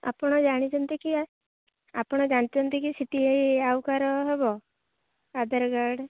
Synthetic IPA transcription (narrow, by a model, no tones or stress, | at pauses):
a̰pɽ̃ɔd͡ʒaɽ̃it͡ʃɔnt̪iki | apɔɽ̃ɔd͡ʒañt̪it͡ʃɔnt̪ikisiʈiɦejawkaɾɔɦɛbɔ | ad̪əɾɡaɾɖ